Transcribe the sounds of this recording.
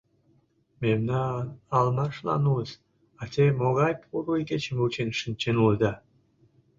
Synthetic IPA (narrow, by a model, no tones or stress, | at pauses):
memnɑːlmɑʃlɑ̰nuəs | ɑt̪emoɣɑjpʰuɾuiket͡ɕəmut͡ɕenʃənt͡ɕenuld̪ɑ